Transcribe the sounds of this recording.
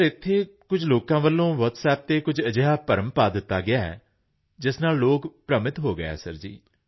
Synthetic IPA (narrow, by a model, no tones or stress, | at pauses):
ɾɪt̪ʰːeːkʊd͡ʒloːkãːʋəlːõːʋɔtsɛːp̚t̪eːkʊd͡ʒəd͡ʒeɦaːpəɾəmpaːd̪ɪt̪ːaːɡɪaːɛ̰ː | d͡ʒɪsnaːlːoːkpɾəmɪt̪ɦoːɡəɛ̰ːsə̰ɾd͡ʒḭː